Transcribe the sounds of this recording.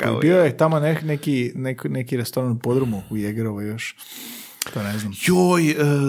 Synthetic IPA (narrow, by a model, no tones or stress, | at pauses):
a̰ḭbiojet̪amonenekineknekiɾest̪oɾanupod̪ɾomuujeɡeɾoʋajoʃ | t̪oneznamjojə